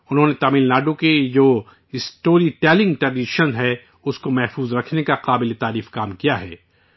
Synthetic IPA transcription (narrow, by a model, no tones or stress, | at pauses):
ʊnɦõnet̪aːmiːlnaːɖoked͡ʒoː | ɪsʈoːɾiʈɛːlɪ̃ŋɡʈɾɐɖɪʃənɦɛ | ʊskomɛɦfuːzɾɐkʰnekaqaːbɪlet̪aːɾiːfkaːmkijaɦɛː